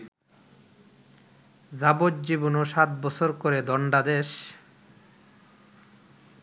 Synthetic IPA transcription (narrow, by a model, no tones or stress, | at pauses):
zabod̪d͡ʑibonoʃat̪bɔt͡ɕʰoɾkoɾed̪ɔɳɖad̪eʃ